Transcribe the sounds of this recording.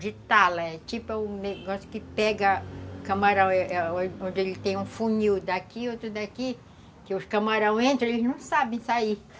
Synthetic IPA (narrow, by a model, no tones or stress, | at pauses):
ʒit̪alɐɛt͡ʃipʊɛũneɡɔsjʊ̥kɪpɛɡɐkɐ̃maɾɐ̃w̃ɛɛ̃õd͡ʒɪelɪt̪ẽj̃ũfuɲiwd̪akiot̪ɾʊd̪aki | kɪʊskɐ̃maɾɐ̃w̃ẽnt̪ɾɐ̃elɪznɐ̃w̃sabẽj̃sai